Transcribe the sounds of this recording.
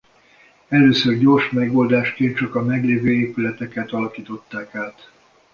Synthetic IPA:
ɛløːsørɟo̞rʃmɛɡo̞ːld̪aːʃkeːnt̪t͡ʃɒkɒmɛɡleːvøːeːpylɛt̪ɛkɛt̪ɒlɒkiːt̪o̞t̪ːaːkaːt̪

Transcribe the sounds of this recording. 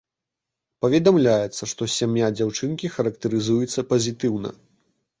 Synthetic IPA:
pɐvʲɛd̪amlʲajɛt̪sːɐʂt̪ɔsʲamjad͡zʲawt͡ʂɨnkʲixɐɾɐkt̪ɐɾɨzujɛt̪sːɐpɐzʲit̪ɨwnɐ̰

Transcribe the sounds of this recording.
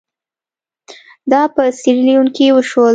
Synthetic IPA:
d̪ɑpəsiɾilijuŋkiwəʃwol

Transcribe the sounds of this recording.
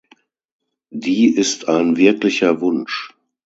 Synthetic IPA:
diːʔɪstʰaɪnvɪɐklɪçɐvʊnʃ

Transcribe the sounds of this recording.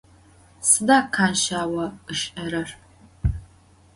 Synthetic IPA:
sɨdaːkʰaːnʃaːwɐɨʃʼɐɾɐr

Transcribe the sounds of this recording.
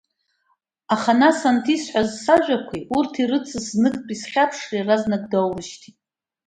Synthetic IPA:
aχanasantʰisħʷazsaʒʷᶣakʷʰiurtʰirɨt͡sʰɨsnɨkʼpʼisχʲapʰʂriraznɨɡʷʼdowlɨʃtʰitʼ

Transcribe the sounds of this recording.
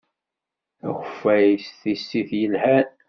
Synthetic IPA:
æ̰xʷəfːæjsθisːiθjənhæɾ

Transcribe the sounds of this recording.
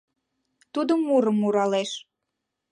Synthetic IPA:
t̪ud̪əmuɾəmːuɾɑleʃ

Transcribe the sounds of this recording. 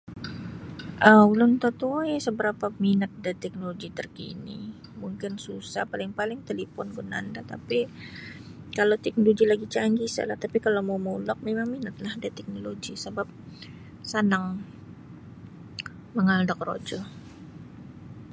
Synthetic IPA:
ʔəulʊnt̪ot̪ujsəbəɾapaminət̪̚dat̪ɛk̚noloɡit̪ərkḭnḭ | muŋkɪnsusa̰hpalɪŋpalɪŋt̪elefɔnɡuna̰ndat̪a̰pi | kalawt̪ɛk̚noloɡilaɡit͡ʃaŋɡisa̰laht̪apikalawmamulɔk̚memaŋminət̪̚lahdat̪ɛk̚noloɡisəbap̚ | sənaŋ | məŋaldak̚ro̰d͡ʒɔ

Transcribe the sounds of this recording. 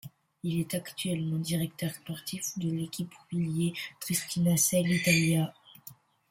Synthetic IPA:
ilɛt̪akt̪ɥɛlmɑ̃d̪iʁɛkt̪œʁspɔʁt̪ifd̪əlekʲipviljet̪χist̪inasɛlit̪alja

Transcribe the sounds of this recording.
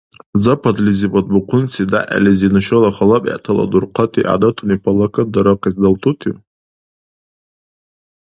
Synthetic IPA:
zapʰadlizibad̚buqʰʷʊnt͡sʰida̰ʔa̰lizinɨʃrɨlaχalapʼa̰ʔtʰala̰durqʰatʰiʔa̰datʰunipʰalːakʰadaɾaqʰizdaltʰutʰi

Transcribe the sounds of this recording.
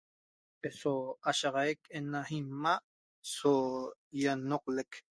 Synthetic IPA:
esoaʃɑʁɑjekenahimːaʔ | sojanoqlek

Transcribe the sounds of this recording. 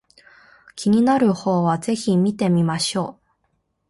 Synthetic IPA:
kʲiɲ̟inaɾɯ̟ho̞ːβaze̞çimʲit̪e̞mʲimaɕo̞ː

